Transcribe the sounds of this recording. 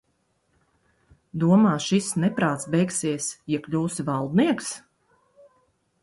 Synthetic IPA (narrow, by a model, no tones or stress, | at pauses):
d̪uɔmaːʃisnɛpɾaːt̪sbɛjksiɛsjiɛklʲuːsivalˠd̪niɛks